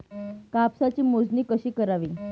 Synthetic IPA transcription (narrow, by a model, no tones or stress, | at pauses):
kapsat͡ɕiːmod͡zniːkəɕiːkəɾaʋiː